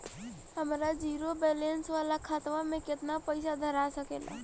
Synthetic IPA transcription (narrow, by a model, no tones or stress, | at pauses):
həmɾad͡ʒiːɾobeːlensʋaːlakʰaːt̪ʋamẽkɪt̪napəɪsad̪ʱəɾasəkḛːla̰